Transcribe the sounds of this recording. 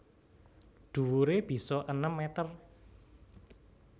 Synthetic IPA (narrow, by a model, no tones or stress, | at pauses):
ɖ̪̥ṳwuɾeb̥i̤sɔʔənəmːet̪ər